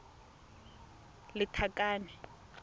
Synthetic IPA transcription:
lɪtʰakʼaːnɛ

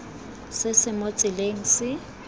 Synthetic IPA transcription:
sɪsɪmot͡sʼɪleŋ̩sɪ

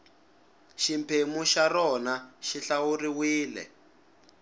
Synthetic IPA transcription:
ʃimpʰemuʃarɔnaʃiɬawuɾiwiːlɛ̰

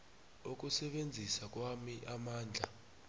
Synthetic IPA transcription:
ok̬usɛɓend͡zʱisak̬wamiʔamaːnd͡ɮʱa̰

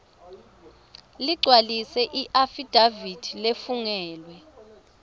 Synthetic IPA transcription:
liɡ͡ǀʱwalisɛʔiʔafid̥ʱavid̥ʱilefuŋɛːlwɛ

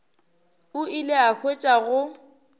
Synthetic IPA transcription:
ʊilɪak͡xʰwet͡ʃʼaɣʊ

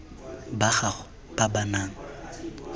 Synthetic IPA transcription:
baɣaɣʊ | b̥abanaːŋ̩

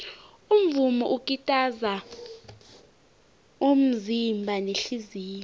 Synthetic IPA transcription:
um̩vumɔ̰ʔukʼitʼaza | um̩zimbʱaneɬiziːlɛ

